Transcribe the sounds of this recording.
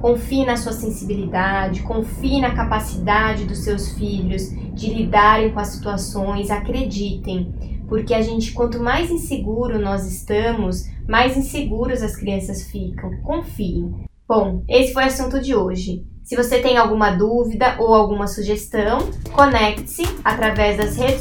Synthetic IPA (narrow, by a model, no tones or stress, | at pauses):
kõfiɪnɐsuɐsẽsibilid̪ad͡ʒɪkõfiɪnɐkapasid̪ad͡ʒɪd̪ʊsːewsfiʎʊz | d͡ʒɪlid̪aɾẽj̃kõɐsi̥t̪uasõj̃zakɾed͡ʒit̪ẽj̃poɾkeaʒẽnt͡ʃɪ̥kwɐ̃nt̪ʊmajzĩseɡuɾʊnɔzɪst̪ɐ̃mʊsmajzĩseɡuɾʊzɐskɾiɐ̃sɐsfikɐ̃w̃kõfiẽb̥õw̃esɪfojasũnt̪ʊd͡ʒɪoʒɪsɪvoset̪ẽj̃awɡũmɐd̪uvid̪ɐʔowawɡũmɐsuʒest̪ɐ̃w̃konɛk̚t̪ɪ̥sɪat̪ɾavɛzd̪ɐshe